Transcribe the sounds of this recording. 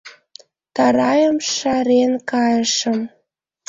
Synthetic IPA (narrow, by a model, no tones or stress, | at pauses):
t̪ɑɾɑjəmʃɑɾenkɑjəʃə̆m